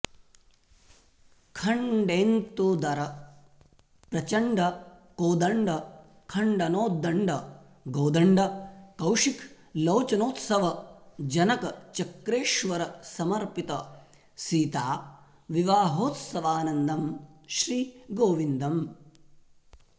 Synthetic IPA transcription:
kʰɐɳɖeːnt̪ud̪ɐɾɐ | pɾɐt͡ʃɐɳɖɐ | koːd̪ɐɳɖɐ | kʰɐɳɖɐnoːd̪ɐɳɖɐ | ɡoːd̪ɐɳɖɐkɐwʂikʰ | loːt͡ʃɐnoːt̪sɐʋɐd͡ʒɐnɐkɐt͡ʃɐkɾeːʃʋɐɾɐsɐmɐɾpit̪ɐ | siːt̪aː | ʋiʋaːɦoːt̪sɐʋaːnɐnd̪ɐmʃɾiːɡoːʋind̪ɐm

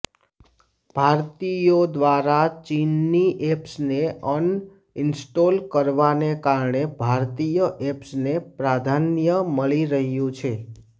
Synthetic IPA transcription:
b̥ʱaɾt̪ijod̪ʋaɾat͡ʃinːiʔepsneən | ɪnsʈolkəɾʋanekaɾɳebʱaɾt̪ijəʔepsnepɾad̪ʱanjəməɭiɾəɦjũt͡ʃʰe

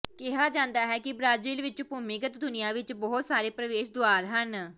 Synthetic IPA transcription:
kɪɦaːd͡ʒãːnd̪aːɦɛːkɪbɾaːziːlʋɪt͡ʃpʊmɪɡət̪d̪ʊnɪjãːʋɪt͡ʃbɔːʊt̪saːɾeːpɾəʋeːʃd̪oaːɾɦən

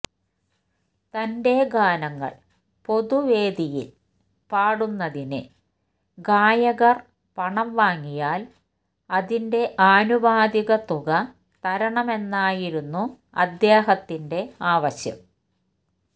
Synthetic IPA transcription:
t̪ɐnde̞ɡaːnɐŋːɐ̰ɭ | po̞ðuʋe̞ːd̪ijḭl | paːɽunːɐðinɨ | ɡaːjɐɣɐr | pɐɳɐmʋaːŋːijaːl | ɐðinde̞ʔaːnuʋaːd̪iɣɐt̪uɣɐ | t̪ɐɾɐɳɐme̞nːaːjiɾunːu | ɐ̰d̪jeːɦɐt̪ːinde̞aːʋɐɕjɐ̰m

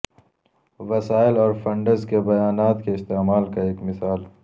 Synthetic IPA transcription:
wɐsaːɪlɔːɾfɐ̃ɳɖəɾzkebɐjaːnaːt̪keɪst̪eːmaːlkaeːkmɪsaːl

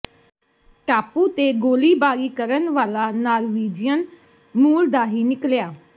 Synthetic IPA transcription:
ʈaːpuːt̪eːɡoːliːbaːɾiːkəɾənʋaːlaːnaːɾʋiːd͡ʒɪjən | muːld̪aːɦiːnɪkljaː

